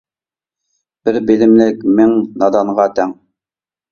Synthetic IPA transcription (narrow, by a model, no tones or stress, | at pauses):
b̥ɘɾbilɘ̆mlɘkmɘŋnɑd̪ɑɴʁɑt̪æŋ